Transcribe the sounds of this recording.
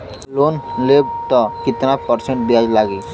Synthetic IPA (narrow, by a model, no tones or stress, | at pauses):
lonleb̚t̪ɔkit̪napəɾsẽɳʈ̚d̪iad͡ʒlaɡi